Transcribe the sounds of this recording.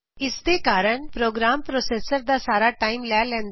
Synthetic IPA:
ɪsd̪ekaːɾəɳpɾoːɡɾampɾosesəɾd̪asaːɾaʈaimlalɛ̃nd̪

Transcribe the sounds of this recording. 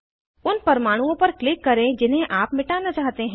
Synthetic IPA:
ʊnpɐɾmaːɽ̃ũõpɐɾklɪkːɐɾẽd͡ʒɪnɦẽʔaːpmɪʈaːnat͡ʃaːɦt̪eɦɛ̃

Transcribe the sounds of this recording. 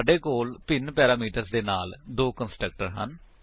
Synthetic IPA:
ɖeːkoːlpɪnpɛːɾaːmiːʈəɾsd̪eːnaːld̪oːkənsʈɾək̚ʈəɾɦə̰n

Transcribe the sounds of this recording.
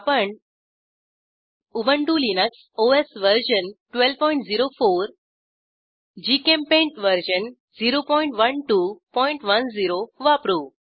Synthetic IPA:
pəɳ | uʋəɳʈulinəks | oesʋəɾɕənʈʋelpɔjĩɳʈd͡ziɾofoːɾ | d͡ʑikẽmpẽɳʈʋəɾɕən | ziɾopɔiɳʈʋənʈupɔiɳʈʋənd͡ziɾoʋapɾu

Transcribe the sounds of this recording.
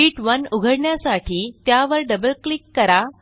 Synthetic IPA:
iːʈʋənuɡʱəɽɳjasaʈʰiːt̪jaʋəɾɖəbəlklikkːəɾa

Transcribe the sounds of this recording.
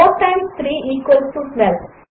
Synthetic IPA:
ɔːʈãɪ̃mst̪ʰɾiːʔiːkʋəlsʈuːsʋɛl

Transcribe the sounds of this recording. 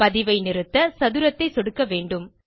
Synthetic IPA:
pɐðɪʋɐɪnɪɾɯt̪ːɐsɐðɯɾɐt̪ːɐɪsɔɽɯkːɐʋeːɳɖɯm

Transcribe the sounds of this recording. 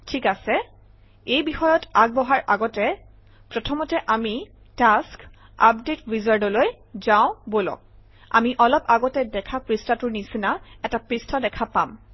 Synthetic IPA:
tʰikasɛ | ejbixɔjɔtaɡ̚bɔɦaɹʔaɡɔtɛ | pɹɔtʰɔmɔtɛʔami | task | a̰p̚detɹizaɹdɔloj | zaʊ̃bolɔ̰k̚ | a̰miʔɔlɔpaɡɔtɛdɛkʰapɹistʰatʊɹnisinaɛtapɹistʰɔdɛkʰapam

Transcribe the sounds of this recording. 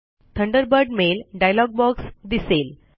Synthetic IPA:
t̪ʰəɳɖəɾbəɾɖmelɖajlɔɡ̚bɔksd̪isel

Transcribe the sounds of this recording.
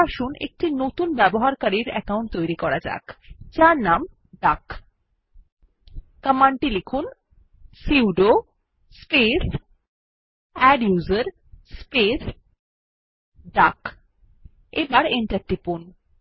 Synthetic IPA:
aʃunʔḛk̚ʈinot̪unbɛboɦaɾkaɾiɾɛ̰kawɳʈ̚t̪ojɾikɔɾad͡ʑa̰kt͡ɕaɾnam | ɖak | kəmaɳʈilekʰun | siwɖo | spes | ɛɖjuzəɾ | spes | ɖak | ebaɾeɳʈaɾʈipun

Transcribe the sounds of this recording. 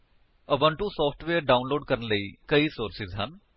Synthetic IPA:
ɐbə̃ɳʈũsɔːpʰʈʰʋeːəɾɖaːʊnloːɖ̚kəɾənləikɐisoːɾsɪzɦɐ̰n

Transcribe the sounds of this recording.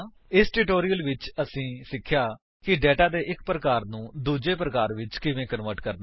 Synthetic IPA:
ɪsʈuːʈoːɾijəlʋɪt͡ʃəsĩːsɪkʰːjaː | kɪɖɛːʈaːd̪eːʔɪk̚pɾəkaːɾnũːd̪uːd͡ʒeːpɾəkaːɾʋɪt͡ʃkɪʋẽːkənʋəɾʈkəɾn

